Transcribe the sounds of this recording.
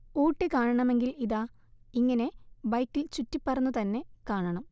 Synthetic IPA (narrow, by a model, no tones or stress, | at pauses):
uːʈːɨkaːɳɐɳɐme̞ŋɡiliðaː | iŋːɐne̞bɐjkːilt͡ɕutːipːɐrɐnːut̪ɐnːe̞kaːɳɐɳɐm